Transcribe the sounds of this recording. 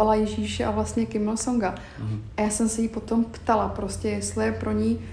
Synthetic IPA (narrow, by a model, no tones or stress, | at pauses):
alajɛʒiːʃɛʔavlast̪ɲɛkɪmɪlsoŋɡa | ajaːsɛmsɛjipo̞t̪o̞mpt̪alapɾo̞scɛjɛst̪lɪjɛpɾo̞ɲi